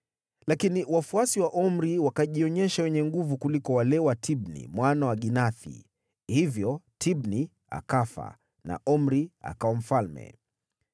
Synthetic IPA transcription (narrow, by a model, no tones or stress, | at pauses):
lakiniwafuasiwaʔɔm̩ɾiwakaʄiɔɲɛʃawɛɲɛŋɡuvukulikɔwalɛwatʰiɓnḭmwanawaɠinaθḭ | hivjɔtʰibni | a̰kafa̰ | na̰ʔɔm̩ɾia̰kaɔm̩falmɛ̰